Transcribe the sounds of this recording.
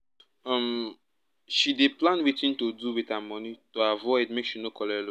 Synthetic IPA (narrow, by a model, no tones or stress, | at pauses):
ɔ̃m | ʃideplãnwitĩntoduwitamɔnitoavɔɪdmekʃinokʰɔlɛlo